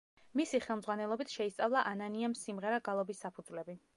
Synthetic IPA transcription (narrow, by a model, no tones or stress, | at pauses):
misiχɛlˠmzʁwanɛlˠɔbit̪ʰʃɛist̪sʼavlˠaʔananiamsimʁɛɾaɡalˠɔbisːapʰud̪zvlɛbi